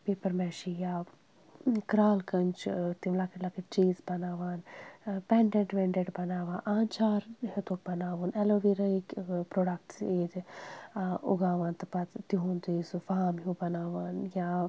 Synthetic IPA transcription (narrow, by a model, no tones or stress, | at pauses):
peːpɐɾmɛːʃijaː | kɾaːlkɐnt͡ʃt̪imlaːkiʈlakit͡ʃiːzbɐnaːʋaːnpɛɳɖeɳʈʋeɳɖeɖbɐnaːʋaːnʔaːnt͡ʃaːɾɦet̪uːk̚bɐnaːʋuːnɛloːʋiɾɐikpɾoːɖɐk̚ʈseːt̪ | ṵɡaːʋaːnt̪ɐpɐt̪t̪iɦũnd̪iːsufaːmɦubɐnaːʋaːnjaː